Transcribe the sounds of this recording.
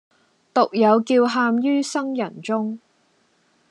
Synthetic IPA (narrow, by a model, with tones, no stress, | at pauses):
t̪ʊ˨k̚jɐ˨˧wkiː˧wɦaː˧mjyː˥sɐ˥ŋjɐ˨˩nt͡sʊ˥ŋ